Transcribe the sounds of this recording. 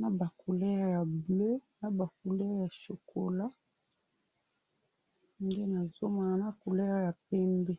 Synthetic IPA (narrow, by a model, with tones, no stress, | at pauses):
na˦ba˨ko˨lɛ˦a˨ja˨ble˦na˨ba˨ko˨lɛ˦ʁja˨ʃo˨kʰo˨la˦ | nde˦na˨zo˦ma˨a˨na˦ko˨lɛ˦ʁja˨pɛ˦mbɛ˦